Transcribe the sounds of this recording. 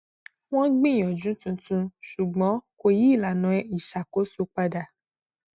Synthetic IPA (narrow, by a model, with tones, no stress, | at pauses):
w̃ɔ̃˦ɡ͡bĩ˦˨j̃ɔ̃˨d͡ʒũ˨˦tũ˧tũ˧ʃu˨ɡ͡bɔ̃˨˦ko˧ji˨˦˨la˨nɔ̃˧ɛ˦i˨ʃa˨ko˨˦so˦k͡pa˧da˨